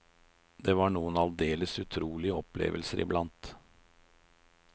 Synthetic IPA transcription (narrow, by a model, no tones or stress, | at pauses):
d̪eːʋɑːɳuːənɑld̪eːləsʉt̪ʰɾuːlɪəɔplḛːʋəlsəɾʔɪ̰blɑnt̪